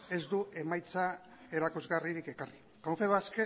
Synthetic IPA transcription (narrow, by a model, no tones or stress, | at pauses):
e̞zd̪uʔe̞majt͡sa | e̞ɾakuzɣariɾike̞kari | kamfe̞βaske